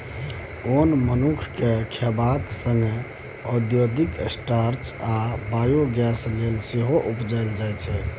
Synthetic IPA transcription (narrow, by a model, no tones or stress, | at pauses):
onmənukʰkekʰebaksəŋɡe | əd̪jod̪iksʈaɾt͡ʃabajoɡɛslelseɦoʔupd͡ʒajld͡ʒajt͡ʃʰɛ